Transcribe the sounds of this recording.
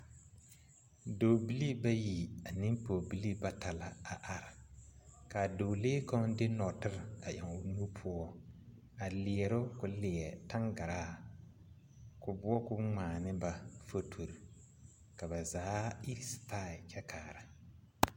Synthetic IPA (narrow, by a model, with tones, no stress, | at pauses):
doː˨bi˦li˦ba˦ji˨a˨nɪ˦mpo˨bi˦li˦ba˦ta˨la˨a˨ʔa˨ɾɪ˨ka˨do˨leː˦kɔ˦ŋdɪ˦nɔ˨tɪ˦ɾa˨ʔɛ˨ŋʊ˨nu˦pʰʊ˦ɔ˦ | a˨lɪ˨ɛ˨ɾʊ˦kʊ˨lɪ˨ɛ˨ta˦ŋɡa˨ɾaː˦˨ | kʊ˨bʊ˦ɔ˦kʊ˦ŋ͡maː˨nɪ˦ba˨fo˦tʰo˨ɾi˨ | ka˨ba˨zaː˨˦i˦ɾstaː˦˨ɪ˨kʰɛ˦kʰaː˨ɾa˨